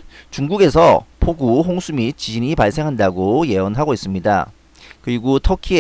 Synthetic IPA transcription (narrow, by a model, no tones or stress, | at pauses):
t͡ɕuŋɡuɡe̞sʰʌpʰoɡuɦoŋsʰumit͡ɕid͡ʑiɲipaɭs͈e̞ŋɦandaɡoje̞ʌnɦaɡois͈ɯmɲida̰ | kɯɾiɡotʰʌkʰie